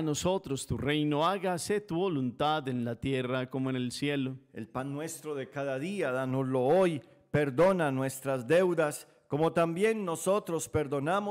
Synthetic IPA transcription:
no̞so̞t̪ɾo̞st̪ure̞jnoaɣaset̪uβolunt̪aðe̞nlat̪je̞rakomoenelsjeloe̞̰lpanːwe̞st̪ɾoðekaðaðiaðanozlo̞oj | pe̞ɾd̪onanwe̞st̪ɾazd̪ewðas | ko̞mo̞t̪ambje̞nːo̞so̞t̪ɾo̞spe̞ɾðo̞namo

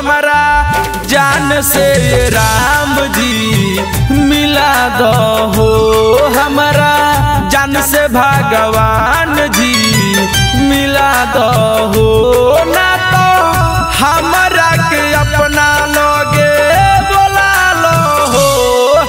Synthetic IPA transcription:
mɾa | d͡ʒanseɾamd͡ʒi | mɪlad̪ɔɔɦoɦəmɾa | d͡ʒansebʱaɡəʋan | d͡ʒi | mɪla | d̪ɔ | ɦona | t̪ɔ | həmɾakeəpna | lɔ | ɡed̪ola | lɔ | ɦo

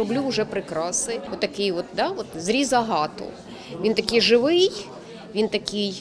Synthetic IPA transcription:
ɔblʲuʊʒɛpɾɪkɾɑsnɪjɔt̪ːɐkɪjʋɔt̪d̪ɑʋɔt̪zɾʲizɐɦɑt̪ʊ̰ | ʋʲint̪ɐkɪjʒɪʋɪj | ʋʲint̪ɐkɪj

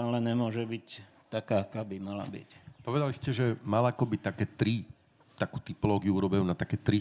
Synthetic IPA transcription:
alɛɲɛmʊɔʒɛbic | t̪akaːakaːbimala̰bḭcpɔʋɛd̪aliscɛʒɛmalakɔbit̪akɛːt̪ɾi | t̪akuːt̪ipɔlɔːɡɪjuuɾɔbɛjunat̪akɛːt̪ɾi

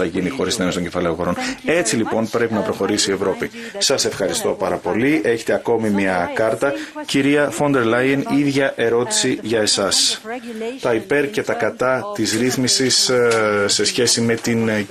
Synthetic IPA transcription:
ɐʝinixo̞ɾist̪ineost̪oɟe̞fɐleoɣo̞ɾo̞ne̞t͡silipo̞npɾe̞pinɐpɾo̞xo̞ɾisie̞vɾo̞pisɐse̞fxɐɾist̪o̞pɐɾɐpo̞lie̞çet̪e̞ɐko̞mimiɐkɐɾt̪ɐciɾiɐfo̞nd̪e̞ɾlɐjeniðʝɐʔe̞ɾo̞t̪i̥siʝɐe̞sɐs | t̪ɐipe̞ɾce̞t̪ɐkɐt̪ɐt̪izɾiθmisisse̞sçe̞sime̞t̪in

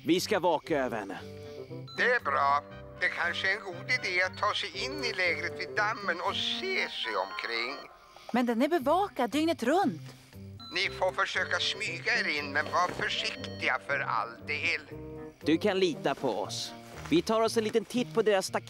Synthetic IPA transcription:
vɪskavɑːkaøːvəɾhɛ̰nːə̰ | d̪̥ɛæɾbɾɑː | d̪̥ɛkʰanʂəɛnɡuːd̪ɪd̪eːat̪ʰːɑːsɛjɪnːɪlɛːɡɾət̪vɪd̪amːənɔseːsɛjɔ̰mkʰɾɪŋː | mɛnd̪ɛnæɾbɛvɑːkad̪ːʏŋnət̪ɾɵnt̪ | nɪfofœʂøːkasmyːɡaeɾɪnːmɛnvɑːɾafœʂɪkt̪ɪɡafœɾa̰ld̪eːld̪̥ɵkʰanliːt̪apʰɔɔ̰s | vɪt̪ʰɑːɾɔsɛnliːt̪ənt̪ʰɪt̪ːpʰɔd̪eːɾasːt̪ak

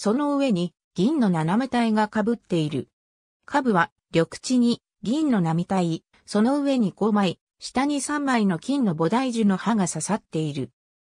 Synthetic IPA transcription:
so̞no̞ɯ̟βe̞ɲ̟i | ɡ̥ʲĩnːo̞naname̞t̪aiɡakabɯ̟t̪ːe̞iɾɯ̟̰ | kʰabɯ̟βa | ɾʲo̞kɯ̟̥t͡ɕiɲ̟i | ɡʲĩnːo̞namʲit̪ai | so̞no̞ɯ̟βe̞ɲ̟iɡo̞mai | ɕi̥t̪aɲ̟isãmːaɾʲino̞kʲĩnːo̞bo̞d̪aiʑɨno̞haɡasasat̪ːe̞iɾɯ̟

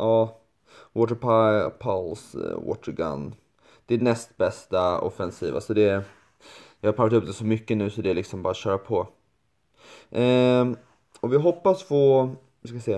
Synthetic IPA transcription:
ʔɑː | wɔːt̪əɾpʰapʰalswo̰ːt̪ːəɾɡa̰nː | d̪̥ɛænɛst̪bɛst̪aɔ̰fɛnsiːva̰sɔd̪ɛ | jɑhaɾpʰalːat̪ɵp̚d̪ɛsɔmʏkːənʉ̟ːsɔd̪ɛælɪksɔmbɑːɾaɕœːɾapʰɔ | ʔ | ɔvɪɦɔpːasfɔ | skaɪsɛːa

